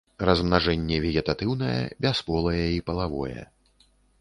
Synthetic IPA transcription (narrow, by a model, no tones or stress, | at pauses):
rɐzmnaʐɛnʲːɛvʲɛɣʲɛt̪at̪ɨwn̪ɐjɛ̰bʲaspɔlˠɐjɛipɐlˠavɔ̰jɛ̰